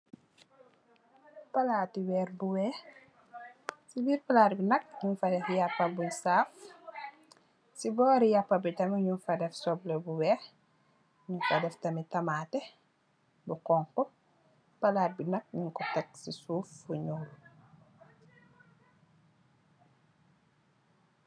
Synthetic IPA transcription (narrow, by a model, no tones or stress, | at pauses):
palaːtiwɛːɾbuwɛː | sibiːɾpalaːtbinɐk̚ɲunfadɛfjapːabuɲsaːf | sibɔːɾijapːabitɐmiɲunfadɛfsɔblɛbuwɛːh | ɲunfadɛftɐmitɐmaːtɛ | bukɔŋkɔ | palaːt̚binɐk̚ɲuŋkɔtɛk̚sisuːfːuɲuːlu